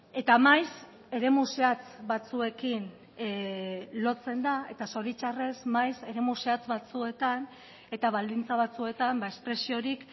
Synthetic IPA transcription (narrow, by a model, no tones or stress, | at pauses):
e̞t̪amajs | e̞ɾe̞museat͡sβat͡sue̞kin | lo̞t͡se̞nd̪ae̞t̪aso̞ɾit͡ʃare̞smajse̞ɾe̞museat͡sβat͡sue̞t̪an | e̞t̪aβ̞ald̪int͡saβat͡sue̞t̪ambaespɾe̞sio̞ɾik